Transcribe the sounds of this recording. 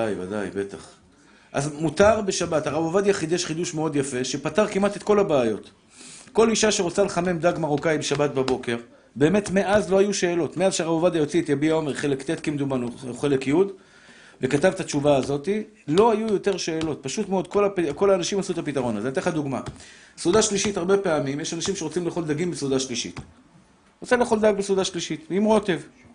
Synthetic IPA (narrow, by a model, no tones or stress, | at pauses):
ajva̰da̰jbeta̰χ | ʔa̰zmut̪aʁbe̞ʃabathaʁabovad̪jaχid̪jeʃχiduʃme̞o̞d̪jafe̞ʃepataʁkimat̪et̪ko̞labeːjo̞t̪ | ko̞liʃaʃeʁot͡saleχame̞md̪aɡmaʁokajbeʃabat̚babo̞ke̞ʁ | be̞ːme̞t̪me̞ʔazlo̞hajuʃe̞ːlo̞tmeazʃeaʁabovad̪ajo̞t͡siet̪jabiao̞meʁχelekt̪et̪kimd̪umanuχe̞le̞kjud̪ | ve̞katavt̪at͡ʃuvaːzo̞t̪i | lo̞ajujo̞t̪e̞ʁʃe̞ːlo̞t̪̚paʃutmeod̪̚ko̞lapiko̞laːnaʃimasut̪apitaʁo̞nazeat̪eχad̪uɡma̰ | sud̪aʃliʃitaʁbe̞peamimjeʃanaʃimʃe̞ʁot͡simleχo̞ld̪aɡimbesud̪aʃliʃḭt̪ | ʁot͡saleːχo̞ld̪aɡbesud̪aʃliʃit̪vimʁo̞t̪e̞v